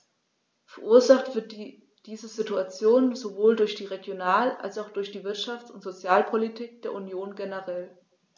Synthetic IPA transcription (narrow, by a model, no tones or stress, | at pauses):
fɛɐʔuːɐzaχtv̥ɪɐt | d̥iːzəzituat͡sjoːnzovoːldʊɐçd̥iːʁeɡjonaːla̰lsaʊxd̥ʊɐçd̥iːvɪɐtʃaft͡sʊntz̥ot͡sjaːlpʰolitʰiːk̚d̥eːɐʔunjoːnɡenəʁɛl